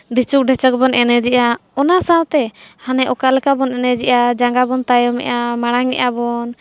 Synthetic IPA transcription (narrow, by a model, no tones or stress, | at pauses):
dit͡ʃuk̚ɖɛt͡ʃək̚bɔnʔɛnɛd͡ʒɛʔaɔnasawt̪ɛhanɛʔɔkalɛkabɔnɛnɛd͡ʒɛʔad͡ʒaŋɡabɔnt̪ajɔmɛ̰ʔamaɽ̃aŋɛ̰ʔabɔn